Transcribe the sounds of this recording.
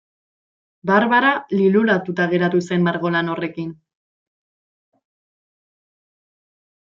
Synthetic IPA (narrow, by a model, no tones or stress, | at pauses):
baɾβaɾalilulat̪ut̪aɣ̞e̞ɾat̪use̞mmaɾɣo̞lano̞re̞kin